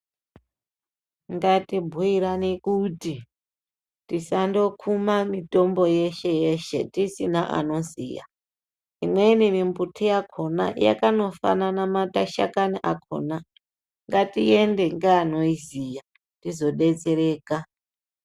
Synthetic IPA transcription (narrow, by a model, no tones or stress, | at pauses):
ŋɡatibʱwiɾanikuti | tisando̞kʰumamito̞mbo̞je̞ʃe̞jeʃe̞tisinaʔa̰no̞zḭja̰ | inweinimimbutʰijakʰo̞na̰ja̰kano̞fa̰nanamataʃa̰kaniʔakʰo̰na | ŋɡatie̞nde̞ŋɡaːno̞izija | tizo̞ɗe̞t͡se̞ɾe̞ːka